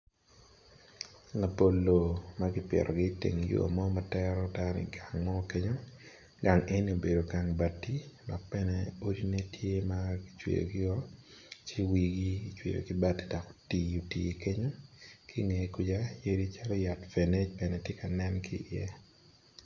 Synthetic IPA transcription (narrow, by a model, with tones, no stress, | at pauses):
la˨po˨lːo˨maɡɪ˦pḛ˨ɾɔ˨ɡɪ˦tḛ˨ŋ˨jo̰˦a˨mɔ˦ma˨tɛɾɔ˦ta˦nɪ̰˨ɡa˨ŋmɔ˦ke˦ɲo˦ | ɡa˨ŋe˦ni˦o˨be˨do˨ɡa˨ŋba˨tːi˦dɔ˨k̚pɛ˦nɛ˦o˦di˦ne˦tje˦maɡi̥˦t͡ʃwḛ˨jo̰˨ɡɪ˦ɔ˦t͡ʃi˦wi˦ɡi˦t͡ʃwḛ˨jo̰˨kɪ˦ba˦ti̥˦dɔ˨ko̥ti˨o˨tḭ˨ke˦ɲo˦kɪ˦ŋe˨ku˦d͡ʒa˦je˦di˦t͡ʃa˦lɔ˦ja˨tfe˨ne˦t͡ʃpɛ˨nɛ˨tje˦ka˨nɛ˦nkɪ̰˦jɛ˦